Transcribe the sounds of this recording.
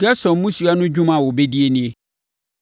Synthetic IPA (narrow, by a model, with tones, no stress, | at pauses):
ka˦sɔ̃˨m˦mʊ̃˦su˨a˦nʊ̃˦d͡ʑᶣũ˦mã˨wɔ˨bɛ˦di˦e˦nɪ̃˦e˦